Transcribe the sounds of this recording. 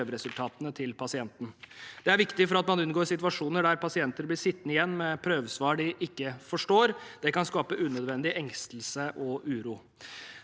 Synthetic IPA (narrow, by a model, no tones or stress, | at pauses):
øːʋəɾɛsʉlt̪ʰɑːt̪ənət̪ʰɪlpʰɑsɪɛnt̪n̩d̪̥ɛæɾʋɪkt̪ɪfɔɾɑt̪mɑnʉnɡoːɾsɪt̪ʋɑʂuːnəɖæɾpʰɑsɪɛnt̪əɾblɪʂɪt̪ːnəɪjɛnːmɛpʰɾøːʋsʋɑːɖɪʔɪkːəfɔʂʈoːɾd̪̥ɛkɑnskɑːpəʔʉːnœd̪ʋɛnd̪ɪʔɛŋst̪lsəʔɔʔʉːɾuː